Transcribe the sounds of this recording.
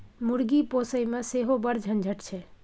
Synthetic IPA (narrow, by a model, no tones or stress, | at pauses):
muɽɡipoːsəimẽseɦobəɾd͡ʒʱə̃nd͡ʒʱəʈt͡ʃʰɛ